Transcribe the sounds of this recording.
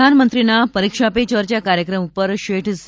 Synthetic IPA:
anmənt̪ɾinapəɾikʂapet͡ɕəɾt͡ɕjakaɾjəkɾəmupəɾɕeʈʰs

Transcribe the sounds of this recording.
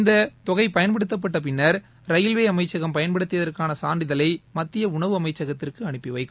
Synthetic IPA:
ɪnd̪ɐt̪ɔɣɐɪpɐjɐnpɐɽɯt̪ːɐp̬ːɐʈːɐpɪnːɐɾ | ɾɐjɪlʋeːɐmɐɪt͡ʃːɐɣɐmpɐjɐnpɐɽɯt̪ːɯʋɐðɐrkaːnɐsaːɳɖɪðɐlɐɪmɐt̪ːɪjɐʊɳɐʋɯɐmɐɪt͡ʃːɐɣɐt̪ːɪrkɯɐɳɯpːiʋɐɪkːɯ

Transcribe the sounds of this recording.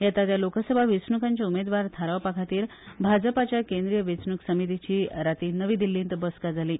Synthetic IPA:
jat̪at̪jalokəsəbʱaʋet͡sɳukaɲt͡ɕiumed̪ʋaɾt̪ʰaɾaʋpakʰat̪iːɾ | bʱad͡zəpat͡ɕjakẽnd̪ɾijəʋit͡sɳuksəmit̪it͡ɕiːɾat̪iːnəʋiːd̪ilːĩnt̪bəskad͡zʱaliː

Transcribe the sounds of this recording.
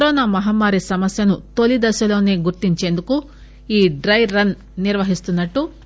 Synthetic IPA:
kɐɾɔːnaːmɐɦaːmːaːɾisɐmɐsjɐnut̪o̞lid̪ɐʃɐlo̞ːne̞ːɡuɾt̪iɲt͡ʃe̞ːnd̪uku | iːɖɾɐjɾɐnː | iɾʋɐɦist̪unːɐʈːu

